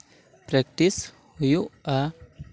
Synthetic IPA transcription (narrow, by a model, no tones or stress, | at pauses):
pɾekʈis | hujua